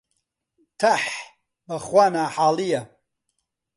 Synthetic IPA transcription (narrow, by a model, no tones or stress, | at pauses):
t̪ʰaħ | bɐχwaːnaħaːlijɐ